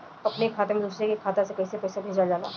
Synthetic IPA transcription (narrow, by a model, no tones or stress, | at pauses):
ɐpnekʰaːt̪emẽd̪uːsɾekekʰaːt̪asekɐisepɛːsabʱeːd͡ʒad͡ʒaːla̰ː